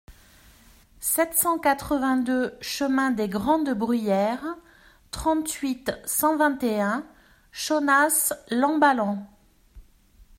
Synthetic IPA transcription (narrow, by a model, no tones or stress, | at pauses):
sɛt̪sɑ̃kat̪χəvɛ̃d̪øʃəmɛ̃d̪eɡʁɑ̃d̪bʁyjɛːʁ | t̪χɑ̃t̪ɥit̪sɑ̃vɛ̃t̪eɛ̃ | ʃonaslɑ̃balɑ̃